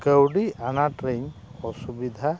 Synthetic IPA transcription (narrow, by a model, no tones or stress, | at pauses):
kəwɖianaʈɾeɲɔsubid̪ʱa